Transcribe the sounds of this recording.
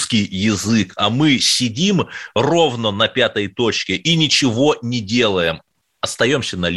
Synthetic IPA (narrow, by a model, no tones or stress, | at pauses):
skʲɪjjɪzɨkamɨsʲɪdʲimro̞vnənɐpʲat̪əjt̪o̞t͡ɕkʲɪʔinʲɪt͡ɕɪvo̞nʲɪdʲe̞lˠəjɪm | ɐst̪ɐjo̞msʲənɐlʲ